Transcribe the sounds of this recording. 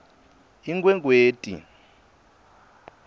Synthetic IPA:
iŋkwɛŋk̬ʼweːtʼḭ

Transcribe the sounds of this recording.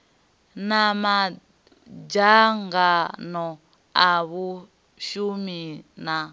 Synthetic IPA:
nama | d͡ʒaŋɡanɔ | aβu | ʃumina

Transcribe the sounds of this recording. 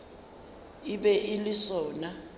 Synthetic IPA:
iɓɛʔilisɔːna

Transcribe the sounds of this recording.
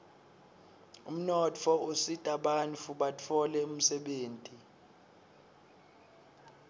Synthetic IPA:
um̩nɔt͡fʰɔositʼaɓanfuɓat͡fʰɔlɛum̩sɛɓeːntʼi

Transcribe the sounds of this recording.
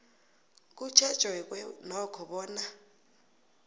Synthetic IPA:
k̬ʼu̥t͡ʃʰḁt͡ʃwɛk̬ʼwɛnɔkʰɔɓɔːna

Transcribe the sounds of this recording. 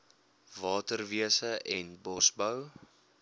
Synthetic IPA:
vɑːtərviəsəʔɛnbɔsbəw

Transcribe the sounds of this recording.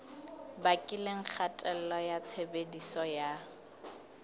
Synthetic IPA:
bakʼɪleŋ̩k͡xʰatʼɛl̩lɔjat͡sʰebedisɔja

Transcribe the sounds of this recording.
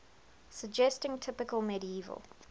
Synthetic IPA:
səɡd͡ʒɛstɪ̃ŋtʰɪpɪkəlˠmɛɾiiːvə̰lˠ

